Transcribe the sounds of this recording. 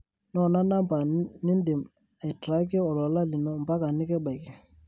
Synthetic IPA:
nɔ˦˨na˦na˦mpa˨ni˦ndɪ˨m | a˨jtɾa˦k̬ɛ˦ɔ˨lɔ˨˦la˦li˨nɔ˦m˨ba˦ka˨nɪ˦kɛ˦ba˨jkɛ˨

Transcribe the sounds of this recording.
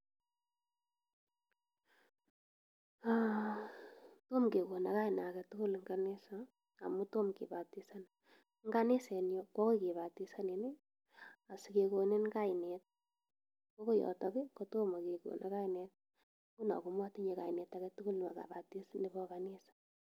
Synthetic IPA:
a | to˦mke˨ko˨na˨ka˦jna˨kɛ˨tʊ˦kʊ˦lŋɡane˦sa | a̰˨mu˦to˦mkḛ˨ba˨tisa˦n | ŋɡa˦ne˦sɛ˨njɔkɔ˦ko˦ke˨βa˨ti˦sa˦ne˨ne˦ | a˨si˨ke˨ko˨ne˦nka˦jnet̚ | ko˦ko˦jɔ̰˨tɔki˦koto˦ma˨ke˨ko̰˨nʔa˦ka˦inet̚ | ku˦na̰˨ku˨mwa˦ti˦ɲe˨ka˨inɛ˨ta˨kɛtʊ˦kʊ˦ln˨ma̰˨ka̰˨ba˨ti˦sni˨bɔkanesḁ

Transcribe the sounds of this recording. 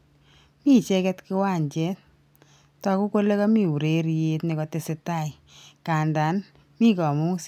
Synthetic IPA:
mi˦t͡ʃɛ˦kɛ˦tkɪ˦wa˦˨ɲt͡ʃɛ˦t | tɔ˨ku˦ko˦le˦kɔ˦mi˦˨u˨ɾe˦ɾje˦tnɪ˨kɔ˨tɪ˨sɪ˨ta˦˨i˨ | ka˨nda˨n | mi˦kɔ˨mu˦s

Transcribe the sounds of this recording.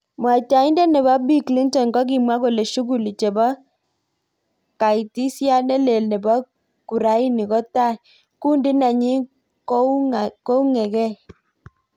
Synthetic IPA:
mwa˨t͡ʃa˨i˦ndɛ˦nɛ˨ba˦bi˦kli˦ntɔ˨nɡɔ˦k̬i˨mwa˦ko˨le˨ʃu˦ɡu˨li˨t͡ʃɛ˨bɔ˦ | ka˨i˨ti˦sja˦nɛ˦le˨lnɛ˨bɔ˦ | ku˨ɾa˨˦i˦ni˨kɔ˦ta˦˨ | ku˦ndi˦na˨ɲi˦ | ko˦ko˦u˦ŋɛ˨kɛ˦˨

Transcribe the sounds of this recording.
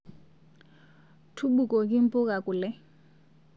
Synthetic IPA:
tʰu˦ɓu˨kʼɔ˨kʼɪ˦m̩˦pʼʊ˦kʼa˨kʼʊ˨lɛ˦

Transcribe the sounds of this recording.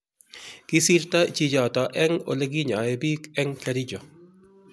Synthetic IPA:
kɪ˦si˦ɾta˦t͡ʃi˦d͡ʒɔ˨tɔ˨ʔɛ˦ŋo̰˨le˦ɡi˦ɲa˨e˨bi˦kɛ˦ŋkaɾi˦d͡ʒɔ˨

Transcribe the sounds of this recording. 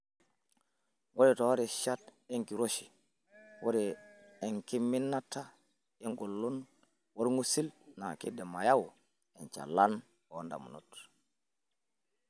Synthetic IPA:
wo˦ɾito˨wa˦ɾiʃa˦te˦ŋki˨ɾo˦ʃi̥˨ | wo˦ɾi˨e˨ŋki˦mːi˦nːatːa˦ | e˦ŋɡo˨lːu˦n | wo˦ɾŋu˦si˦lna˨kḭ˦de˨ma˨ja˦wu | ent͡ʃa̰˨lan | onda̰˨mṵ˨nṵt

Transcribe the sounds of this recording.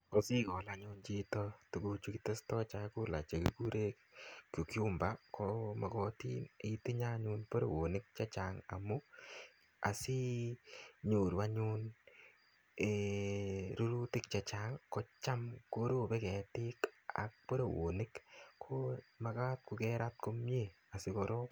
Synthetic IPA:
ko˦si˦kɔ˨la˨ɲʊ˦nt͡ʃi˦tɔ˦tu˨ku˧t͡ʃu˦kite˦stɔ˦t͡ʃaku˦la̰˨t͡ʃe˨ke˨ku˦ɾʔe˦kkːo˨kju˦mba˦koma˨kɔ˦ti˦ni˦ti˦ɲa˦ɲu˦npo˦ɾo̰˨wo˨nɪ˦k̚t͡ʃɛ˦t͡ʃa˨ŋa̰˨mʊ˦ | a̰˨si˦ | ɲo˨ɾa˦ɲu˦n | e | ɾo˦ɾu˦tɪ˦k̚t͡ʃɛ˨t͡ʃaŋkɔ˦t͡ʃa˦mko˦ɾo˦bɛ˦kɛ˨tɪ˦ka̰˨k̚po˦ɾo˨wo̰˨nɪ˦kkʰo˦ma˨ka˦t̚kʊ˨kɛ˦ɾa˦t̚ko˦mje˦˨ | a˨sɪ˦ko˨ɾo˦

